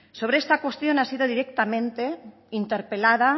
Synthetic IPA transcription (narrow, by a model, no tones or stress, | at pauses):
soβ̞ɾeest̪akwest̪jonasið̞oðiɾek̚t̪amẽnt̪e | int̪eɾpelað̞a